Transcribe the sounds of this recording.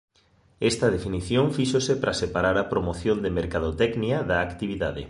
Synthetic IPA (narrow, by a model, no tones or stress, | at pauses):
ɛst̪ɐðefiniθjoŋfiʃosepɾʔasepaɾaɾapɾomoθjond̪emeɾkaðot̪ɛkniaðaːkt̪iβiða̰ðḛ